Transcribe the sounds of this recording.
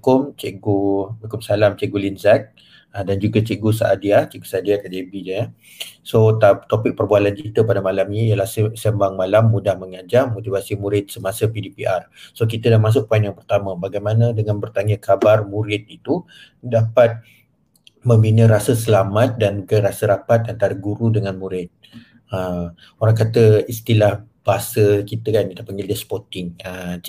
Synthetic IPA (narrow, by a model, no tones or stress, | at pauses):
kʊmt͡ʃeʔɡoukʊmsalamt͡ʃeʔɡulinzɛk̚ | ədand͡ʒuɡat͡ʃeɡusa̰ʔadiat͡ʃeɡosaadiak̪adebiɲə | sot̪at̪opɪk̚pərbualant͡ʃit̪əpadamalamɲijəlahsəsəmbaŋmalamːudahməŋad͡ʒamot̪ivasimuɾɪt̪̚səmasəpidipiʔarsokit̪ədamas̬ʊʔ̚panjaŋpərt̪amə̃baɡajmanə̃dəŋanbərt̪aŋəkabarmuɾɪt̪̚it̪u | dapat̪̚ | mə̃mbinə̃ɾasəsəlamat̪̚dankəɾasəɾapat̪ant̪aɾaɡuɾudəŋanmuɾɪt̪̚ | əm | oɾaŋkat̪əist̪ilahbaasəkit̪əkanitapəŋɡildəspɔt̪ɪŋə